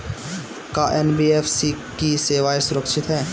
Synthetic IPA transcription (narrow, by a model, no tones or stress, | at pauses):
kaʔenbieːfʰsikiseːʋaesʊɾəkʃɪt̪ɦɛː